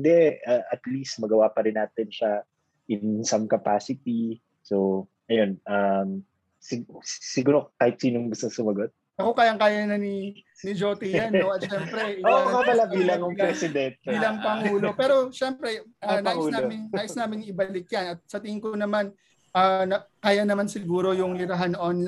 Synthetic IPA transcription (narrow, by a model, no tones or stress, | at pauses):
ɪnd̪ɛaʔɐt̪list̪̚mɐɡɐwapɐɾɪnaːt̪ɛnʃa | ʔɪnnnsɐmkɐpa̰ːsɪt̪̚i | so | ʔɐjonʔam | sɪɡsɪɡuːɾokaːhɪt̪̚siːnoŋɡʊst̪oŋsʊmɐɡot̪̚ | ʔɐko̞kaːjɐŋkaːjɐnɐni | nɪd͡ʒo̞ːt̪ɪjanoɐt̪̚ʃɛːmpɾɛɪoɐkɐbɐlabiːlɐŋjʊŋpɾɛsɪd̪ɛnt̪̚ɪlɐŋpɐŋuːlo̞pɛːɾo̞ʃɛmpɾɛʔanaːʔsnaːmɪnnaːʔɪsnaːmɪŋɪbɐlɪk̚jɐnɐt̪̚sɐt̪ɪŋɪŋkonɐman | ʔɐːnɐkaːjɐnɐmansɪɡuːɾo̞jʊŋlɪɾɐɦanʔonl